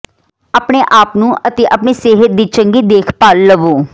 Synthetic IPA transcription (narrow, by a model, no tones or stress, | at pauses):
əpɳeːʔaːpnũːʔət̪eːʔəpɳeːseːɦət̪̚d̪iːt͡ʃəŋɡiːd̪eːkʰpaːlːəʋoː